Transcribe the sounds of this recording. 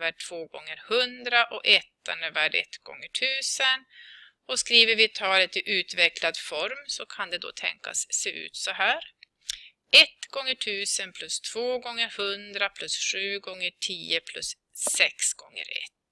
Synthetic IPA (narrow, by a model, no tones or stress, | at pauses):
væʈʰv̥oːɡɔ̰ŋːəɾhɵnd̪ɾaʔɔʔɛt̪ːa̰nəvæːɖɛ̰t̪ːɡ̥ɔ̰ŋːəʈʰʉ̟ːsən | ɔskɾiːvəɾvɪt̪ʰɑːlət̪ɪʔʉ̟ːt̪vɛklad̪fɔɾmsɔkʰand̪ɛd̪ɔ̰t̪ʰɛ̰ŋka̰sːeːʔʉ̟̰ːt̪sɔɦæːɾ | ɛt̪ɡɔŋːəʈʰʉ̟ːsənpʰlɵst̪ʰv̥oːɡɔŋːəɾhɵnd̪ɾapʰlɵsɧʉ̟ːɡɔŋːəʈʰiːəpʰlɵs | sɛksɡ̥ɔŋːə̰ɾɛ̰t̪ː